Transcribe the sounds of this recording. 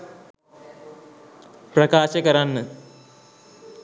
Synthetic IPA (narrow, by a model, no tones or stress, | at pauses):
pɾɐkaːʃɐkɐɾanːɨ